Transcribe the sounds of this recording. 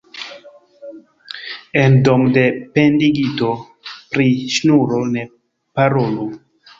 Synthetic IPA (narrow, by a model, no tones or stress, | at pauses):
endomdependiɡito̞ | pɾiʃnuɾone | paɾolo